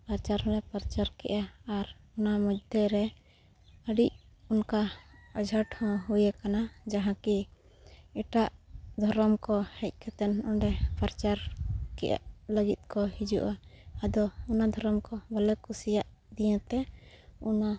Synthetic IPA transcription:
paɾt͡ʃaɾɦɔ̃nɛpaɾt͡ʃaɾkɛ̰ʔaːɾunaməd͡ʒd̪ɛɾɛ | əɖic̚ | unkaəd͡ʒʱaʈhɔ̃ɦujɛkanad͡ʒaɦãki | ɛʈaʔd̪ʱɔɾɔmkɔhɛc̚ˀkʰɛt̪ɛnɔɳɖɛpaɾt͡ʃaɾkɛ̰ʔa̰ʔləɡit̪̚kɔhid͡ʒṵʔaːd̪ɔunad̪ʱɔɾɔmkɔbalɛkusijaʔ | d̪ijãt̪ɛuna

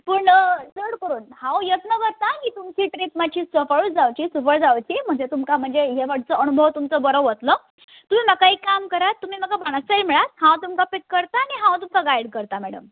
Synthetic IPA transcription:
pəɳd͡zəɽkəɾuːnhãwjət̪nəkəɾt̪akiːt̪umt͡ɕiːʈɾipmat͡ɕʰiːsəfəɭuːsd͡zaʋt͡ɕiːsufəɭd͡zawt͡ɕiːm̤əɳd͡zet̪umkam̤əɳd͡zeɦeʋaʈ̚ʰt͡səənubʱəʋt̪umt͡səbəɾəʋət̪lə | t̪um̤iːməkaikamkəɾat̪ːum̤iːməkabaɽ̃asəjməɭat̪hãwt̪umkapikːəɾt̪aːniɦãwt̪umkaɡajɽkəɾt̪amɛɽə̰m

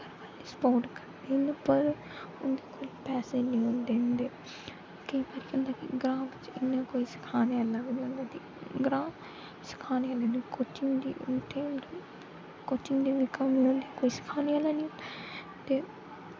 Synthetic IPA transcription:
kəɾa | spoːʈkəɾd̪eːnapəɾ | ʊnd̪eːkoːlpɛːseːnĩõːnd̪eːnd̪eː | kəĩːbaːɾiːkə̃nd̪aːkiɡɾãːbɪt͡ʃɪnːãːkoːiːsɪ̥kʰaːnːalaːɡnə̃nd̪aːt̪i | ɡɾãː | sɪ̥kʰaːneaːlaːnĩkoːt͡ʃɪŋɡd̪ḭːʈeːm | koːt͡ʃɪŋɡd̪iːʋɪkaːmĩɦõːnd̪ekoːiːsɪ̥kʰaːneaːlãːnĩo | t̪eː

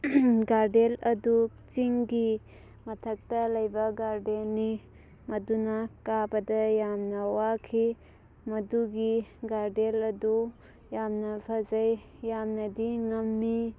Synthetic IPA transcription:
ɡaɾdelɐdu | t͡ʃiŋɡi | mɐtʰɐk̚tɐlɐjbɐɡaɾdelni | mɐdunakabɐdɐjamnɐwakʰi | mɐduɡiɡaɾdelɐdu | jamnɐbʰɐzɐj | jamnɐdiŋɐmːi

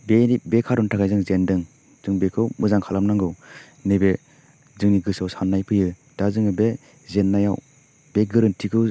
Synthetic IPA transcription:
benibekʰaɾɔntʰakʰajzɯŋzendɯŋ | z̥ɯŋbekʰɯwmʔɯzaŋkʰalamnaŋɡɯw | nebe | zɯŋniɡɯsawsanːajpʰɯjɯ | d̥azɯŋɯbe | zenːajaw | beɡɯɾɯntʰikʰɯw

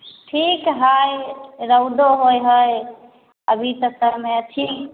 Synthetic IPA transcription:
ʈʰikɦajɾəwd̪oɦojɦəj | əbʱit̪əsəɾmeʈʰik

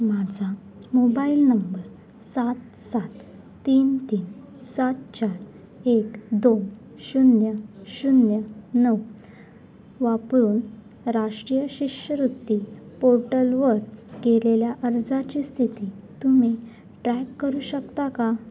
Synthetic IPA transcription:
mad͡zʱa | mobailnəmbəɾ | sat̪sat̪ː | iːnt̪iːn | sat̪̚t͡ɕaɾ | ekd̪on | ɕunjəɕunjənəw | ʋapɾuːn | ɾaʂʈɾijəɕiɕəɾut̪ːipoɾʈəlʋəɾkeleljaʔəɾd͡zat͡ɕiːst̪ʰit̪iːt̪umi | ʈɾɛkːəɾuːɕəkt̪aka

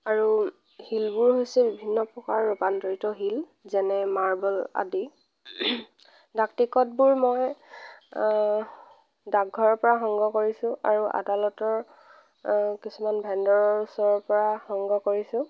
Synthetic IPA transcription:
aɹu | hilbʊɹɦojsɛbibʱinːɔpɹɔkaɹːopantɔɹitɔɦil | zɛnɛmaɹbɔla̰di | daktikɔtbʊɹmoj | daɡʱɔɹɔɹpɔɹaxɔŋɡɔkoɹisʊ̃ʔa̰ɹuʔa̰dalɔtɔɹ | kisumanbʱɛndɔɹɔɹusɔɹɔɹpɔɹahɔŋɡɔkoɹisʊ̃

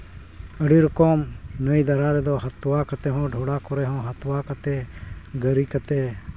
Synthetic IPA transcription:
əɽiːɾɔkɔːmnəid̪ɐɾaɾɛd̪ɔːɦɐt̪wakɐt̪ɛɦɔ̃ːɖʱoːɽakɔɾɛɦɔ̃ːɦɐt̪wakɐt̪eɡəɾiːkət̪e

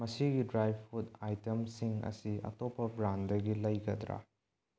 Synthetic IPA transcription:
mɐsiɡidɾajb̚ʰutajtemsiŋɐ̰siʔɐ̰topːɐbɾandɐɡilɐjɡɐd̪ɾa̰

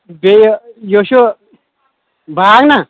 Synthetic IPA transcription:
bejjoɕu | baːkna

